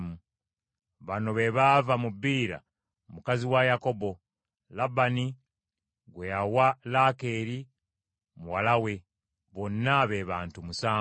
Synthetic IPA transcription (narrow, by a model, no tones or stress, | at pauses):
mu | βano̞βe̞βavamubiːɾa̰ | mukaziwajako̞bo̞ | labani | ɡwejawalake̞ɾi | muwalawe̞ | βo̞nːaβe̞βaːntumusaː